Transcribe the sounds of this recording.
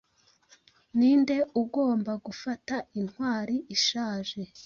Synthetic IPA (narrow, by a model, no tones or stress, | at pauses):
niːnde̞uɡo̞ːmbaɡufatainhwaːɾiʔiʃaːʒe̞